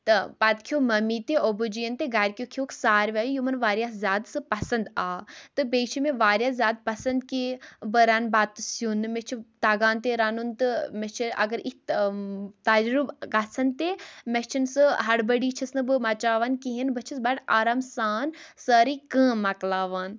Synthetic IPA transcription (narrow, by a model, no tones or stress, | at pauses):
t̪ɨpat̪kʰjoːmɐmiːt̪eobud͡ʒijɐnt̪eɡaːɾʲkʲjokʰjoːkʰsaːɾʋʲaːjujumɐnʋaːɾjaːszʲjaːd̪sɨpɐsɐnd̪aːt̪ɨbeːt͡ʃʰimẽʋaːɾjaːszʲjaːd̪̚pɐsɐnd̪kibəɾaːnbaːt̪ːɨsjunɨmet͡ʃʰit̪aːɡaːnt̪eɾaːnunt̪ɨmet͡ʃʰiɐ̰ɡɐɾik | t̪ad͡ʒɾubɡasʰɐnt̪eːmet͡ʃʰinsɨɦɐɽbɐɽiːt͡ʃʰɐsnɨbɨmɐt͡ʃaːʋaːnkiɦinbɐt͡ʃʰisbɐɽaːɾaːmsaːnsəːɾiːkə̃ːmɐklaːʋaːn